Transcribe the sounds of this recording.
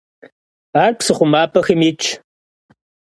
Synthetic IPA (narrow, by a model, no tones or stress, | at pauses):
aːrpsɨχʷʊmaːpʰɐxɨmit͡ʃʰ